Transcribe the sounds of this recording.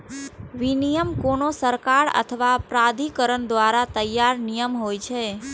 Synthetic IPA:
ʋinijəmkonosəɾkaɾə̰t̪ʰəʋapɾad̪ʱikəɾəɳd̪ʋaɾat̪əjːaɾnijəmɦojt͡ʃʰe

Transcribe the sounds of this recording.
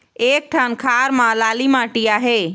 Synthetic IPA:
eːk̚ʈʰankʰaɾmãlalimãʈijaɦe

